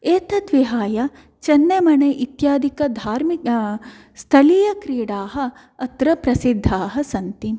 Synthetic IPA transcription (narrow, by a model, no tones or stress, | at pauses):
eːt̪ɐd̪ʋiɦaːjɐ | t͡ʃɐnːemɐneʔit̪jaːd̪ʱikɐd̪ʱaːɾmi | st̪ʰɐlijɐkɾiːɽaːɦɐː | t̪ɾɐpɾɐsid̪ʱːaːɦɐ̆sɐnt̪i